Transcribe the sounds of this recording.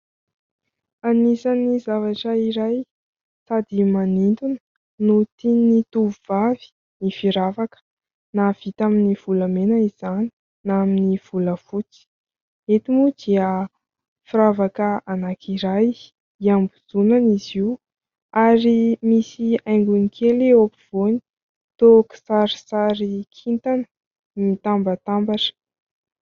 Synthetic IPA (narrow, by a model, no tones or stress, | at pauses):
anisanizavaʈ͡ʂəiɾaj | sad̪imanint̪unə̥ | nut̪init̪uvuvavi̥ | ifiɾavakə̥ | nav̥it̪aminiv̥uləmenəiz̥ani̥ | naminiv̥uləfut͡si̥ | et̪imud̪iə | fiɾavakəanakʰiɾaj | iambud͡zunaniziw | aɾimisiajŋɡunikʰeleopiv̥oni̥ | t̪oki̥saɾi̥saɾikʰint̪anə | mit̪ambət̪ambaʈ͡ʂə̥